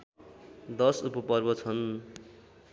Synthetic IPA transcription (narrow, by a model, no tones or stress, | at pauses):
d̪ʌsupʌpʌrbʌt͡sʰʌn